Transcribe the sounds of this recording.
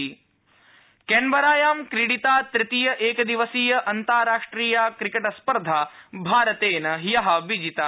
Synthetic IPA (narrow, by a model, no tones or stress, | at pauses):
kenbɐɾaːjaːmkɾiɽit̪aːt̪ɾɪt̪ijɐʔeːkɐd̪iʋɐsiːjɐʔɐnt̪aːɾaːʂʈɾiːjaːkɾikɐʈɐspɐɾd̪ʱaːbʱaːɾɐt̪eːnɐɦijɐɦɐ̆ʋid͡ʒit̪a